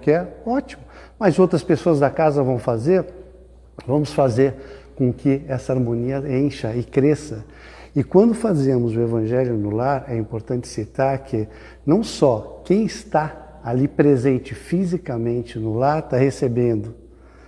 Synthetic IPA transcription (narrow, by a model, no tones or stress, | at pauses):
kɪɛɔt͡ʃimʊmɐzowt̪ɾɐspesoɐzd̪ɐkazɐvɐ̃w̃fazeɾ | vɐ̃mʊsfazeɾkõkɪɛsɐaɾmõniɐẽj̃ʃɐɪkɾesɐ | ɪkwɐ̃nd̪ʊfazẽmʊzʊevɐ̃ʒɛljʊnʊlaɾɛĩmpoɾt̪ɐ̃nt͡ʃɪ̥sit̪aɾkʰɪ | nɐ̃w̃sɔkẽj̃ɪst̪a | alipɾezẽnt͡ʃɪfizikamẽnt͡ʃɪnʊlaɾt̪ahesebẽnd̪ʊ